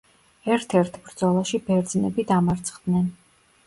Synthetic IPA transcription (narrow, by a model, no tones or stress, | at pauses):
ɛɾt̪ʰɛɾt̪ʰbɾd̪zɔlˠaʃibɛɾd̪znɛbid̪amaɾt̪sʰχd̪nɛn